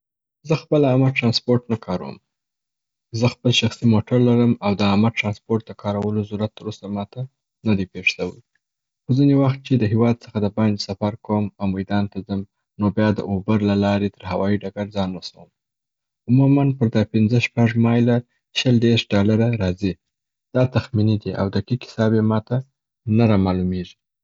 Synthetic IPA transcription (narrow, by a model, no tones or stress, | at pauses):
zəxpəlamaʈɾɑnspoɾʈnakʰɑɾawə̰m | zəxpəlʃaxsimoʈaɾlaɾəmawd̪əamaʈɾɑnspoɾʈ̚d̪əkʰɑɾawəlozuɾat̪ːəɾosamɑt̪a | nad̪ipeʐsawəj | xozinewaxt̪̚t͡ʃed̪əɦewɑd̪səxad̪əbɑnd͡ʒsafaɾkawəmawmajd̪ɑnt̪azəm | nobjɑd̪ə̰ʔobəɾlalɑɾet̪əɾɦawɑiɖaɡaɾzɑnwasawəm | ʊmumanpəɾd̪ɑpɪnzəʃpaʐmɑjla | ʃəld̪eɾʂɖɑlaɾaɾɑzi | d̪̥ɑt̪axminid̪iʔa̰wd̪əkikɪ̥sɑbemɑt̪a | naɾɑmɑlumeʐi̥